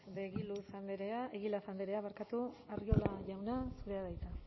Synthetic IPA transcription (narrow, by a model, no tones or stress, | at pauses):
deɣilusand̪eɾeaeɣilafand̪eɾe̞aβaɾkat̪uario̞laʝawnasuɾe̞aðajt̪a